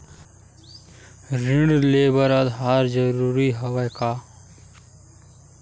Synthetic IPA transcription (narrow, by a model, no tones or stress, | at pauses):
ɾɪɳɖleːbəɾəd̪ɦaːɾd͡ʒəɾuːɾiːɦəʋəjkaː